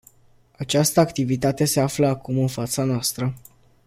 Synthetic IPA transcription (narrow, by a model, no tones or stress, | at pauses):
at͡ʃast̪əakt̪ivit̪at̪e̞se̞afləakumɨnfat̪sanoast̪ɾə